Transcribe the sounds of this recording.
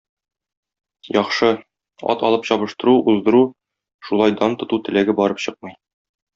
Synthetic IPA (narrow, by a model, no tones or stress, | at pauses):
jɒχʃɤ | ɒ̰t̪ɒlˠɤpɕɒβɤ̆ʃt̪ɤ̆ɾuʔuzd̪ɤ̆ɾu | ʃulˠɑjd̪ɑnt̪ŏt̪ut̪ɘ̆læɡɘbɒɾɤpɕɤq̚mɤ̆j